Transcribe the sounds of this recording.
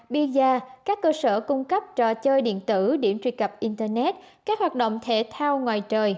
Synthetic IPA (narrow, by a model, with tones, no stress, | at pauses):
ɓi˧zaː˧kaː˦˥kːəː˧səː˧˩kʊ˧ŋ͡mkə˦˥p̚t͡ɕɔ˧˩t͡ɕəː˧jɗḭ˧˨ənt̪ɨ˧˩ɗi˧˩əmt͡ɕwi˧kə˨˩p̚ʔi˧nt̪əː˧nɛ˦˥t̚kaː˦˥k̚hwaː˨˩t̚ɗə̰˧˨wŋ͡mt̪ʰe˧˩˦t̪ʰaː˧wŋwaː˨˩jt͡ɕəː˨˩j